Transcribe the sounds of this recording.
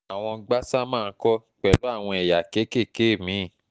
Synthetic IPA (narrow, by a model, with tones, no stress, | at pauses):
a˨w̃ɔ̃˧ɡ͡ba˦sa˦mãː˦˧n̩˦kɔ˦k͡pɛ˨lo˨˦a˦˨w̃ɔ̃˧e˨ja˨ke˨˦ke˦˨ke˨˦˨mĩ˨˦˨